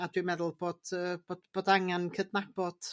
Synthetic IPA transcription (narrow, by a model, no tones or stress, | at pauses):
adwimɛðʊlˠboːd̥əːboːdb̥oːdaŋankʰədnab̥ɔd̥